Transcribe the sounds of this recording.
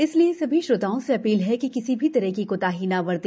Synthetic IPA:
ɪsliesɐbʱiʃɾʊt̪aːõseɐpiːlɦɛkikɪsibʱit̪ɐɾəɦkikot̪aːɦiːnaʋɐɾd̪eː

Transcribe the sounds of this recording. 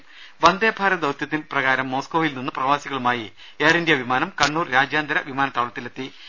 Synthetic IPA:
ʋɐnd̪eːbʱaːɾɐd̪ɐʋt̪jɐt̪ːinprɐɣaːɾɐmːo̞ːskoːʋilninːɨprɐʋaːsiɣɐɭumaːji | eːrindjɐʋimaːnɐmkɐɳːuːrɾaːd͡ʑjaːnd̪ɐɾɐʋimaːnɐt̪ːaːɭɐt̪ːilet̪ːi

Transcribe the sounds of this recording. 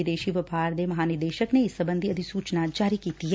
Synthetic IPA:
ɪd̪eːʃiʋɐpaːɾd̪emɐɦaːnɪɾd̪eːʃəkneɪsəbə̃nd̪ʱiɐd̪ʱisuːt͡ʃnad͡ʒaːɾikiːt̪iɦɛ

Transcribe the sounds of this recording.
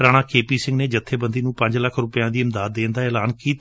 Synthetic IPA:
ɾaːɽ̃aːkeːpiːsɪ̃ŋɡneːd͡ʒət̪ʰːeːbənd̪iːnũːpə̃ɲd͡ʒləkʰɾʊpɪjãːd̪iːɪmd̪aːd̪̚ːeːnd̪aːɛːlaːnkiːt̪

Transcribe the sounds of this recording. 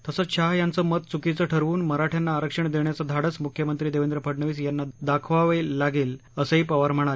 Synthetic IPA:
t̪əsəɕʰaɦjant͡səːmət̪̚t͡sukit͡səʈʰəɾʋuːnməɾaʈʰjanːaːɾəkʂəɳd̪eɳjat͡səd̪ʱaɽət͡smukʰjəmənt̪ɾiːd̪eʋend̪ɾəpʰəɽɳəʋiːsjanːad̪akʰʋaʋeːaɡeːl | əsəɦiːpəʋaɾm̤əɽ̃al

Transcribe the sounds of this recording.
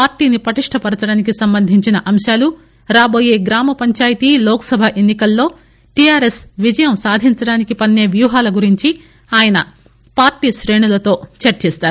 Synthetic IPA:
paːɾʈiːnipɾɐʈiʂʈʰɐpɐɽɐt͡ʃɐɽaːnik̬isɐmbɐnd̪ʱiɲt͡ʃinɐʔɐmʃaːlu | ɾaːbo̞ːje̞ːɡɾaːmɐpɐɲt͡ʃaːjɐt̪ilɔːkɐ̥sɐbʱɐʔe̞nːikɐlːo̞ː | ʈijaːɾe̞sʋid͡ʒɐjɐmsaːd̪ʱiɲt͡ʃɐɽaːnikipɐnːe̞ːʋjuːɦaːlɐɡuɾiɲt͡ʃi | aːjɐnɐ̰ | paːɾʈiːʃɾe̞ːɳulɐt̪o̞ːt͡ʃɐɾt͡ʃɛːst̪aːɾu

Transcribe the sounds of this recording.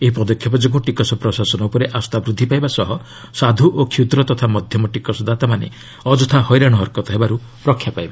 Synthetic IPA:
eɦipɔd̪ɔkʰjɔp̬ɔd͡ʒeɡũʈikɔsɔpɾɔsasɔnɔupɔɾeʔast̪abɾud̪ʱːipajbasɔɦɔ | sad̪ʱuʔokʰjut̪ɾɔt̪ɔt̪ʰamɔd̪ʱjɔmɔʈikɔsɔd̪at̪amanḛ | ɔd͡ʒɔt̪ʰahɔjɾaɽ̃ɔɦɔɾkɔt̪ɔɦebaɾu | pɾɔkʰjapajba

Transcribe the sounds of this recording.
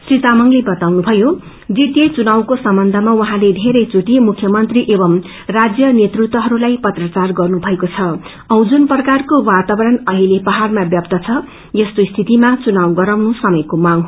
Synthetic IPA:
srit̪amʌŋlebʌt̪awnubʱʌjo | d͡zit̪jet͡sunawkosʌmbʌnd̪ʱʌmawʌɦãled̪ʱeɾʌjt͡suʈimukʰjʌmʌnt̪riʔebʌm | rad͡zjʌnet̪rut̪wʌɦʌɾulajpʌt̪rʌt͡sarɡʌrnubʱʌekot͡sʰʌ | ʌw̃d͡zunprʌkarkowat̪abʌɾʌnʌɦilepʌɦarmabjʌpt̪ʌt͡sʰʌ | jʌst̪oist̪ʰit̪imat͡sunawɡʌɾawnusʌmʌjkomaŋ

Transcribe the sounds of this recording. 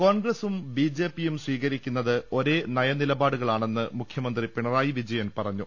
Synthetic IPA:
koːɳɡresumbid͡ʑe̞ːpːijumsʋiːɣɐɾikʲːunːɐðɨo̞ɾe̞ːnɐjɐnilɐbaːɽuɣɐɭaːɳe̞nːɨmukʰjɐmɐnd̪ripiɳɐraːjiʋid͡ʑɐjɐnpɐrɐɲːu

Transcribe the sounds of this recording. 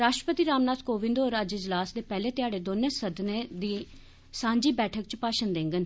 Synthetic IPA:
ɾaːʃʈɾəpət̪iːɾaːmnaːt̪koːʋɪ̃nd̪oːɾəd͡ʒɪd͡ʒlaːsd̪eːpɛːleːt̪ɪjaːɖeːd̪oːnẽːsəd̪ned̪iː | sãːɲd͡ʒiːbɛːʈʰəkt͡ʃpaːʃənd̪ẽːŋɡən

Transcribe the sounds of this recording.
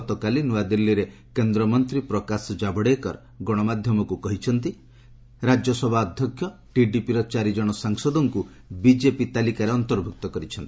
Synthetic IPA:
t̪ɔkalinuwad̪ilːiɾe | kend̪ɾɔmɔnt̪ɾipɾɔkasɔd͡ʒabɔɽekɔɾ | ɡɔɽ̃ɔmad̪ʱjɔmɔkukɔɦit͡ʃʰɔnt̪i | ɾad͡ʒjɔsɔbʱaɔd̪ʱjɔkʰjɔ | ʈiɖipiɾɔt͡ʃaɾid͡ʒɔɽ̃ɔsaŋsɔd̪ɔŋku | bid͡ʒepit̪alikaɾeɔnt̪ɔɾbʱuk̚t̪ɔkɔɾit͡ʃʰɔnt̪i̥

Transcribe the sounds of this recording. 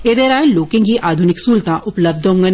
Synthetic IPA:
ed̪eɾaːẽnloːkẽŋkiʔaːd̪ʱʊnɪksuːlt̪aʔʊpləb̚d̪ʱʊ̃ŋɡən

